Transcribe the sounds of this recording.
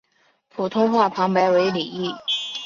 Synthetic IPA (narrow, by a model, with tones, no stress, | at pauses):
pʰu˨˩t̪ʰʊ˥ŋxwa˥˩pʰɑ˧˥ŋpa˧˥ɪwe˧˥ɪli˨˩i˥˩